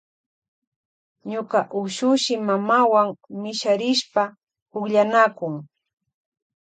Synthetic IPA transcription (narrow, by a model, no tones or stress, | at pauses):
ɲokaʔʊʃʊʃɪmamawaŋmɪʃaɾɪʃpa | pʊkʎanakʊŋ